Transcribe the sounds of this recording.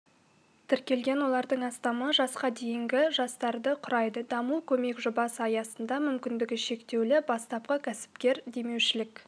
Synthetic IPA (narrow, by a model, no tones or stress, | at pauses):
t̪ʰɪɾkʲe̞lɡʲe̞nwo̞lˠɑɾd̪əɴɑst̪ɑməʒɑsqɑd̪e̞jɪŋɡʲɪʒɑst̪ɑɾd̪əqʰʊɾɑjd̪əd̪ɑmukʲʰɵme̞kʒʊbɑsəɑjɑsənd̪ɑmʏmkʲɪnd̪ɪɡʲɪʃe̞kt̪e̞wlɪbɑst̪ɑp̚qəkʲʰæsɪ̥p̚kʲe̞ɾd̪e̞me̞wʃɪlɪkʲ